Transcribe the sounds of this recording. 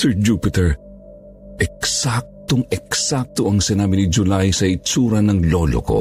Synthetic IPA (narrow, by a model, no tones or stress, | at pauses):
sɛɹd͡ʒupɪt̪ɛɹ | ʔɛksak̚t̪oŋɛksak̚t̪oɐŋsɪnaːbɪnɪd͡ʒʊlajsɐɪt͡ʃuːɾɐnɐŋlolo̰ko̰